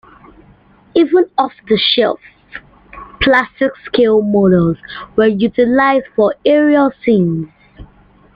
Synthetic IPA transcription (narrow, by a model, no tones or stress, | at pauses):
ivə̃nɔfðəʃɛ̰fs | pʰlastɪkskʰelˠmɔɾəlzwəjutɪlaɪzdfɔɛɹialsĩnz̥